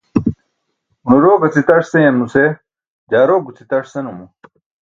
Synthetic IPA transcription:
unuɾoːɡɐt͡sit̪ɐʂsejɐmuse | d͡ʑaːɾoːɡut͡sʰit̪ɐʂsenumu

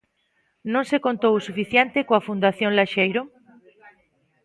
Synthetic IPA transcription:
nõŋsekont̪owsufiθjent̪ekoafund̪aθjõŋlaʃejɾo

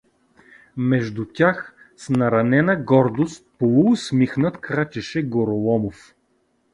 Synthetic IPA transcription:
mɛʒd̪ut̪ʲax | snɐɾɐnɛnəɡɔɾd̪ost̪̚polˠuɡʊsmixnət̪kɾat͡ʃɛʃɛɡoɾolˠɔmof

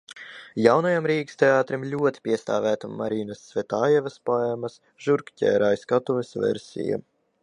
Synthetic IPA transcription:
jawnajamɾiːkst̪ʲeaːt̪ɾimlʲuɔt̪i̥pʲiɛst̪a̰ːvæːt̪amːaɾiːnasːvʲɛt̪aːjɛvɐspajɛmɐs | ʒ̥uɾkcʲɛ̰ːɾajskat̪uvesvɛ̰ɾsʲḭja̰

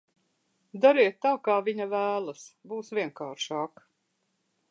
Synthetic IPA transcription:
d̪aɾiɛt̪ːaːkaːviɲavæːlˠasbuːsvʲiɛŋkaːɾʃaːk

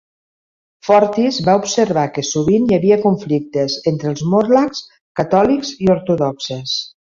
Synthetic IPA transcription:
fɔɾt̪izβaupsəɾβakəsuβinjəβiəkuɱflik̚t̪əzent̪ɾəlˠzmoɾlaks | kat̪ɔlikzioɾt̪uðɔksəs

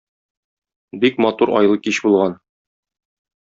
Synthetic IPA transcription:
bikmɒt̪uɾɒ̰jlˠɤkiɕbulˠʁɑn

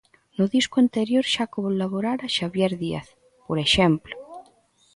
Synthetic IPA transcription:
nʊðiskuant̪eɾjoɾʃakoβolaβoɾaɾaʃaβjeɾðia̰θ | poɾeʃemplo

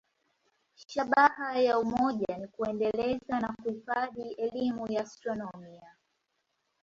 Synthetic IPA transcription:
ʃaɓahajaumɔʄanikuɛndɛlɛzanakuhifaðiɛlimujaːstɾɔnɔmia

